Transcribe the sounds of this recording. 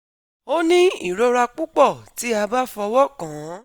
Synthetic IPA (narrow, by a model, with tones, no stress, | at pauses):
o˦nĩ˦i˦˨ɾɔ˦ɾa˧k͡pu˦k͡pɔ˦˨ti˨˦a˧ba˦fɔ˧wɔ˦˨kã˨˦